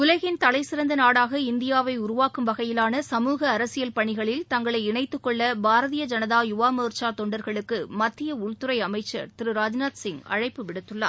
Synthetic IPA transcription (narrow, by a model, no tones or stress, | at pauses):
kʊlɐɣɪnt̪ɐlɐɪsɪɾɐnd̪ɐnaːɽaːɣɐɪnd̪ɪjaːʋɐɪʊɾʊʋaːkɯmʋɐɣɐjɪlaːnɐsɐmuːɣɐːɾɐsɪjɐlpɐɳɪɣɐɭɪlt̪ɐŋɡɐɭɐɪɪɳɐɪt̪ːɯkːɔɭːɐbaːɾɐðijɐd͡ʒɐnɐðaːjʊʋaːmɯːɾt͡ʃaːt̪ɔɳɖɐɾɣɐɭɯkːɯmɐt̪ːɪjɐʊɭt̪ʊɾɐɪɐmɐɪt͡ʃːɐ̰ɾt̪ɪɾɯɾaːd͡ʒnaːt̪sɪŋɡɐ̰ɻɐɪpːɯʋɪɽɯt̪ːɯɭːa̰ː